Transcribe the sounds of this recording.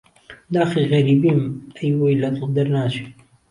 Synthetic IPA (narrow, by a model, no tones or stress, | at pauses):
d̪aːxiɣɐɾiːbiːmɛjwojlɐd̪ɨd̪ɐɾnaːt͡ʃʰi̥